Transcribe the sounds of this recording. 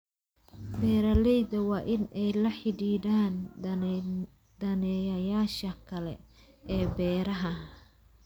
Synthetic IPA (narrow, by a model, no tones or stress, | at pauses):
bɛːɾɐlɛjd̪ɐwɑːʔɪnɛjlɐħɪdiːdaːn | d̪̥ɐnɛːjɐjaːʃɐkʰɐlɛ̰ | ʔɛːbɛːɾɐɦɐ